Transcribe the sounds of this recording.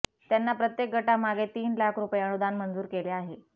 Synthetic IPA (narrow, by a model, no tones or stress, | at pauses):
t̪janːapɾət̪jek̚ɡʱəʈamaɡet̪iːnlakʰɾupeəɳud̪anmənd͡zuːɾkeleaɦe